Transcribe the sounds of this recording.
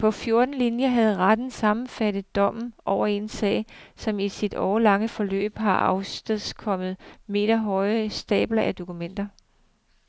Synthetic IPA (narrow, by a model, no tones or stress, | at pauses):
pʰɒ̽fjo̝ɐd̥n̩linjɐɦæð̞̩ˠʁad̥n̩sɑ̈mn̩fæd̥ð̩ˠd̥ɒ̽m̰n̩ʔɒʊɐe̝nsɛ̰ːɪsɒ̽misid̥ɒːlɑ̈ŋəfɒ̽lø̰ːb̥ɦɑ̈ʔɑ̈ʊsd̥eðˠskʰɒ̽məð̞̩ˠme̝̰ːd̥ɐɦɒ̽ɪsd̥ɛ̰ːb̥lɐʔæd̥o̝kumen̰d̥ɐ